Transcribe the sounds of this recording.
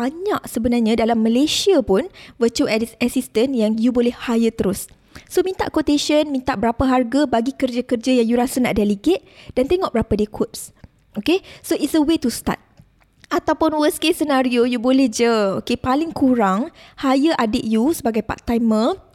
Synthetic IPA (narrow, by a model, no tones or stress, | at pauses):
baɲaʔsəbənarɲãdalamːə̃lesiapʊnvət͡ʃulasist̪ənjaŋjubolɛhhajət̪əɾʊs | somĩnt̪a̰ʔkot̪eʃənmĩnt̪a̰ʔbəɾapaɦarɡabaɡikərd͡ʒakərd͡ʒajaŋjuɾasana̰ʔdaliɡet̪̚d̥ant̪eŋɔʔbəɾapadikʰot̚s | ʔokesoʔisəwet̪ust̪a̰t̪̚ | ʔat̪awpʊnwəskesənaɾiojubolɛhd͡ʒəokepalɪŋkuɾaŋhajəʔadɪʔ̚jusəbaɡajpa̰t̚t̪ajmə̃